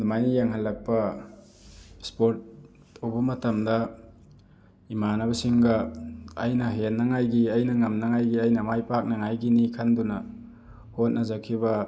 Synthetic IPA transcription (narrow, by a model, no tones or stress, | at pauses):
dumajnijaŋɦalːɐk̚pɐ | spoɾt̚ːʰ | owbɐmɐtɐmdɐ | imanɐbɐsiŋɡɐː | jnɐɦenːɐŋajɡiɐjnɐŋɐmnɐŋajɡiɐjnɐmajpak̚nɐŋajɡinikʰandunɐ | hot̚nɐzakʰibɐ